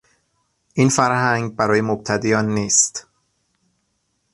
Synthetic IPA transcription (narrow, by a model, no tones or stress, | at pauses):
ʔiːnfæɾhæŋɡbæɾɒːjemob̚t̪ʰæd̪iːjɒːnːiːst̪